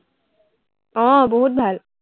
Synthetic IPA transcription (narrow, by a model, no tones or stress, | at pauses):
ɔ̃ːbɔɦʊt̪̚bʱal